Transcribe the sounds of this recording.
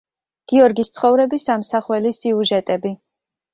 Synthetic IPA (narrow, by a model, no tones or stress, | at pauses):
ɡ̥iɔɾɡist̪sʰχɔvɾɛbisamsaχwɛlisiuʒɛt̪ʼɛbi